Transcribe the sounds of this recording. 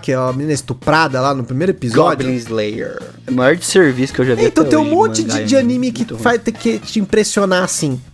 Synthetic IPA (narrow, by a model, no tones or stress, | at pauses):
kɛɛɐminĩnɐɪst̪upɾad̪ɐlanʊpɾimeɾʊepizɔʊblĩzlejḛɾ | majɔɾd͡ʒɪ̥seɾvisʊ̥kewʒavɛ̃ĩt̪ɐ̃wtt̪ẽj̃ũmõñt͡ʃɪd͡ʒɪd͡ʒɪanĩmɪkɪfajt̪ẽkɪt͡ʃɪĩpɾesionaasĩ